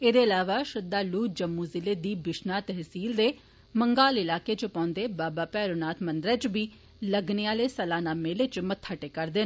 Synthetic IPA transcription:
eːd̪eːəlaːʋaːʃəd̪ːaːluːd͡ʒəmːuːzɪleːd̪iːbɪʃnaːt̪ɛɦsiːld̪eː | məŋɡaːlɪlaːkeːt͡ʃəpãːnd̪eːbaːbaːpɛːɾoːnaːt̪ʰmənd̪ɾɛːt͡ʃbiː | ləɡneaːleːsəlaːnaːmeːleːt͡ʃmət̪ʰːaʈeːkəɾd̪ɪːn

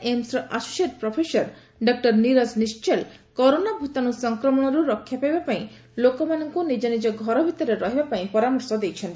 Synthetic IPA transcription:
emsɾɔʔasu̥ʃeɾ̚pɾopʰesɔɾ | ɖɔk̚ʈɔɾniɾaznist͡ʃelkɔɾonabʱut̪anusɔŋkɾɔmɔɽ̃ɔɾuɾɔkʰːjapajbapaj̃ | lokɔmanɔŋkunid͡ʒanid͡ʒɔɡʱɔɾɔbʱit̪ɔɾeɾɔɦibapaj̃pɔɾamɔɾsɔd̪ejt͡ʃʰen

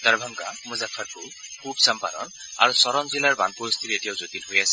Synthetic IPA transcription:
d̪̥aɹbʱaŋɡamuzapʰaɹku | kʰubsampa̰nɔ̰n | a̰ɹusɔɾɔmzilaɹbanpost̪ʰiletijawzot̪ilɦojasɛ

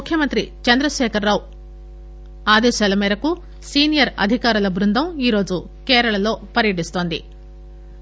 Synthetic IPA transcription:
ukʰjɐmɐnt̪ɾit͡ʃɐnd̪ɾɐʃɛːkɐɾːaːwu | aːd̪ɛːʃaːlɐmɛːɾɐku | siːnijɐɾɐ̰d̪ʱikaːɾulɐbɾund̪ʱɐmiːɾo̞ːd͡ʒu | kɛːɾɐɭɐlo̞ːpɐɾjɐʈ̬ist̪oːnd̪ḭ

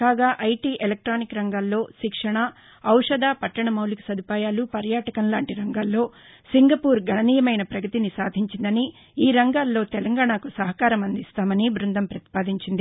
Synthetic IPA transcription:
kaːɡaːʔɐjʈiːʔelɐk̚ʈɾaːnikɾɐŋɡaːlːo̞ːʃikʂɐɳɐː | wʂɐd̪aːpɐʈːɐɳɐmɐwliku̥sɐd̪ʱipaːjaːlupɐɾjaːʈɐkɐnlaːɳʈiɾɐŋɡaːlːo̞ː | siŋɡɐpuːɾɡɐɳɐniːjɐmɐjnɐpɾɐɡɐt̪inisaːd̪ʱiɲt͡ʃind̪ɐni | iːɾɐŋɡaːlːo̞ːt̪ɛlɐŋɡaːɳakusɐɦɐkaːɾɐmɐnd̪ist̪aːmɐnibɾund̪ʱɐmpɾɐt̪i̥paːd̪ʱiɲt͡ʃind̪i

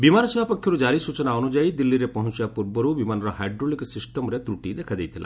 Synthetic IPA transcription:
bimaɾɔsibʱapɔkʰjɔɾud͡ʒaɾisut͡ʃɔnaɔnud͡ʒajd̪ilːiɾepɔɦɔnt͡ʃibapuɾbɔɾubimanɔɾɔɦajɖɾoliksisʈɔmɔɾet̪ɾuʈid̪ekʰad̪ejt̪ʰila̰

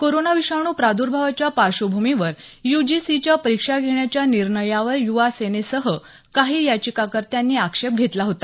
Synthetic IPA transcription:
koɾonaʋiɕaɽ̃uːpɾad̪ʱuɾbʱaʋat͡ɕjapaɕobʱumiʋəɾjud͡ʑisit͡ɕjapəɾikʂaɡʱeɳjat͡ɕjaniɾɳəjaʋəɾjuʋasenesəɦə | kaɦiːjat͡ɕikakəɾt̪janːiːakʂep̚ɡʱet̪laɦot̪ḁ

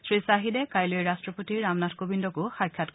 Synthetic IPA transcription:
sɹisaɦidɛkajloeɹastɹɔpotiɹamnatʰkobindɔkʊxajkʰːjatk

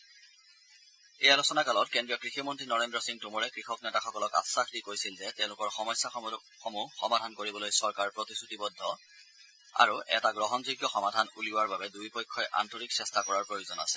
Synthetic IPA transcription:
ejalosɔnakalɔtkendɹijɔkɹiximɔntɹinɔɹendɹɔsiŋtumɔɹɛkɹixɔknɛtaxɔkɔlɔka̰sakʰtikojsilzɛtɛ̃ʊ̃lʊkɔɹxɔmɔjsːa | xɔmuxɔmadʱankoɹibɔlojsɔɹkaɹpɹotisutibɔdʱːɔ | a̰ɹuʔɛtaɡɹɔɦɔnzoɡjɔxɔmadʱanuliʊwaɹbabɛdujpɔjkʰːɔjʔa̰ntoɹiksɛstakɔɹaɹpɹojozɔna̰sɛ̥

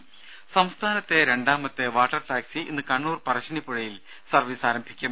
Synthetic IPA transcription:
sɐmst̪ʰaːnɐt̪ːe̞ɾe̞ɳɖaːmɐt̪ːe̞ʋaːʈːɐrʈaːksiʔinːɨkɐɳːuːrpɐrɐɕɐnipːuɻɐjil | sɐrʋiːsaːɾɐmbʱikʲːum

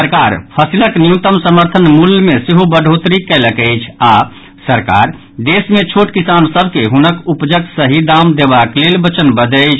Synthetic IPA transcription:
əɾkaɾpʰəsiləknijut̪əmsəməɾt̪ʰənmulmesiɦobəɖʱot̪ɾikɛləkɛjt͡ʃʰa | səɾka̰ɾ | d̪esmet͡ʃʰoʈkisansəbʱkeɦunəkupd͡ʒəksəɦid̪amd̪ebaklelbət͡ʃənbəd̪ət͡ʃʰ

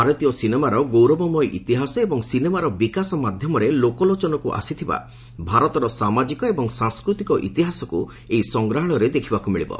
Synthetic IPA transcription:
aɾɔt̪ijɔsinemaɾɔɡowɾɔbɔmɔjʔḭt̪iɦasɔebɔŋsinemaɾɔbikasɔmad̪ʱjɔmɔɾelokɔlot͡ʃɔnɔkuʔa̰sit̪ʰiba̰ | bʱaɾɔt̪ɔɾɔsamad͡ʒikɔebɔŋsãŋskɾut̪ikɔʔḭt̪iɦasɔku | eisɔŋɡɾaɦɔɽ̃ɔɾed̪ekʰibakumiɭibɔ̰

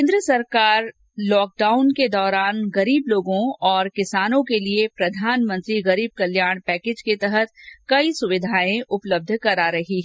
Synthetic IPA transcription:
eːnd̪ɾəsɐɾkaːɾ | lɔːk̚ɖaːʊnked̪ɔːɾaːnɣɐɾiːbloːɡõɔːɾkɪsaːnõkeliepɾɐd̪ʱaːnmə̃nt̪ɾiɣɐɾiːb̚kɐljaːɽ̃pɛːkeːd͡ʒket̪ɛɦət̪kɐisʊʋɪd̪ʱaːẽʔʊpləb̚d̪ʱkɐɾaɾɐɦiɦɛ

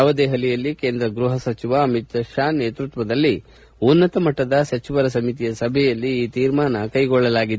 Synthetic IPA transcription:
aʋɐd̪eːɦɐlɛjɐlːikeːnd̪ɾɐɡɾuɦɐsɐt͡ʃiʋɐːmit̪ɐʃaːneːt̪ɾut̪ʋɐd̪ɐlːi | unːɐt̪ɐmɐʈːɐd̪ɐsɐt͡ʃiʋɐɾɐs̬ɐmit̪ijɐsɐbʱɛjɐlːiiːt̪iːɾmaːnɐkɐjɡɔɭːɐlaːɡid̪

